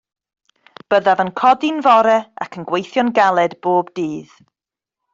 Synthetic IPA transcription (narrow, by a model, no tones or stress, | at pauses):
b̥əðavənkʰɔdɪnvɔɾɛa̰kʰənɡwejθjɔnɡalˠɛdb̥oːbdiːð̥